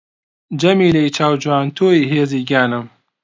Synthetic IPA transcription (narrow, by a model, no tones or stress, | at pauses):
d͡ʒɐmiːlejt͡ʃʰaːwd͡ʒwaːnt̪ʰoːiɦeːziːɡaːnɨm